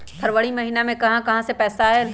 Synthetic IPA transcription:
pʰɐɾʋəɭimɐɦiːnamẽkɐɦãkɐɦãsepɛːsaɦɛː

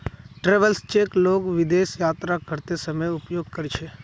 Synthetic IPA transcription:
ʈɾeːʋəlst͡ʃeːkloːɡʋɪd̪eːsjaːt̪ɾakəɾt̪esəməjʊpjoːɡkəɾt͡ʃʰe

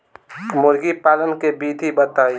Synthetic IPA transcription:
mʊɾɡipaːlənkebiːd̪ʱibət̪aːi

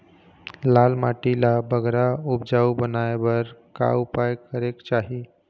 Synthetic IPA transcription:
lalmaʈilabəɡɾaupd͡ʒaubənajbəɾka̰upajkəɾekt͡ʃaɦi

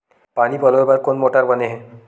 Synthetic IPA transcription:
panipɔlɔbaɾkonmoʈaɾbɔneɦɛ̃

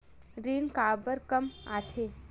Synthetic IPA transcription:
ɾiːnkaːbəɾkəma̰ːt̪ʰeː

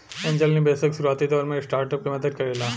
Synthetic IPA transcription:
ẽːnd͡ʒəlnebeːsɪksʊɾuaːt̪id̪ɔːɾmẽsʈaːɾʈəp̚kemɐd̪əd̪̚kɐɾeːlaː

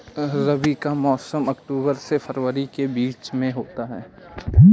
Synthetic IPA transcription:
ɾɐbikamɔːsəmɐkʈuːbəɾsefʰəɾʋəɾikebiːt͡ʃmẽɦoːt̪aɦɛː

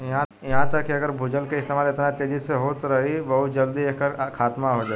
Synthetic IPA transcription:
jɐɦãjɐɦãt̪ɐkːiɐɡəɾbʱʊd͡ʒəlkeɪst̪eːmaːlɪt̪nat̪eːd͡ʒɪzseɦoːt̪ɾɐɦibɐɦʊt̪̚d͡ʒɐld̪ieːkːəɾkʰaːt̪maɦod͡ʒaː

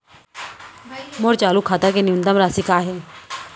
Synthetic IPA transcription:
moːɾt͡ʃaːlukʰaːt̪akenɪʊnt̪əmɾaːsiːkaːɦeː

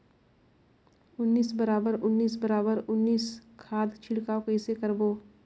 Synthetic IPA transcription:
ʊnːiːsbəɾaːbəɾʊnːiːsbəɾaːbəɾʊnːiːskʰaːd̪t͡ʃʰɪɽkaokɛːsekəɾboː

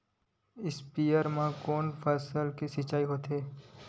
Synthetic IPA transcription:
ɪspiːjəɾmãkoːnfʰəsəlkisɪt͡ʃaːiɦoːt̪ɦeː

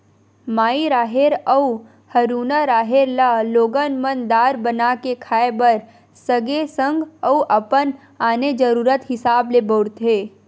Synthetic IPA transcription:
maːiɾaːɦeɾəu | həɾuːnaɾaːɦeɾlaloːɡənmənd̪aːɾbənakekʰaːebəɾ | səɡesə̃ŋɡəuʔəpən | aːned͡ʒəɾuːɾət̪ɦɪsaːblebəʊɾt̪ɦeː

